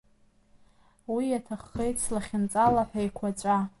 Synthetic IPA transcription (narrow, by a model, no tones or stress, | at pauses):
wijatʰaχːejt͡sʰlaχʲɪnt͡sʼalaħajkʷʰat͡ʃʷʼa